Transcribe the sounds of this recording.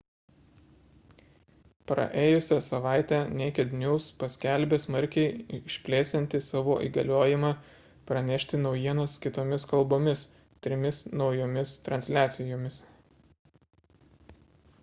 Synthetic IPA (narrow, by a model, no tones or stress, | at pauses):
pɾɐ̰ʔeːjʊsʲɛsɐʋɑˑɪt̪ʲænʲeːkʲɛd̪ʲnʲuːspɐsʲkʲælʲbʲeːsmɐɾʲkʲɛɪɪʃʲpʲlʲeːst̪ʲɛnʲt̪ʲɪsɑːʋoːʔḭːɡɐlʲoːjɪmɑ | pɾɐnʲɛʃʲt̪ʲɪnɒʊjiɛnɐskʲɪt̪oːmʲɪskɐlˠboːmʲɪs | t̪ʲɾʲɪmʲɪsnɒʊjoːmʲɪst̪ɾɐnʲsʲlʲæːt̪sʲɪjoːmʲɪs